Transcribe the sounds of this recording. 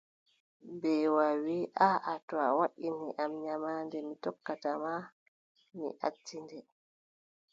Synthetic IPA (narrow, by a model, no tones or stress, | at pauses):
bɛwawiʔaʔatɔa̰waɗiniʔamɲamaːndɛmitɔkːatama | mḭʔa̰tːindɛ